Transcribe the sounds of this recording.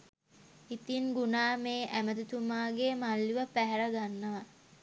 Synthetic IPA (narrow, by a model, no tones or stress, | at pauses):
it̪inɡunaːmeːʔæməd̪ut̪umaːɡeːmalːiʋəpæɦɛɾəɡanːəʋa